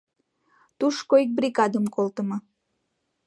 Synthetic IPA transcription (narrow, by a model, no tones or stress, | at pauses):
t̪uʃkoik̚brʲiɣɑd̪əmkolt̪əmɤ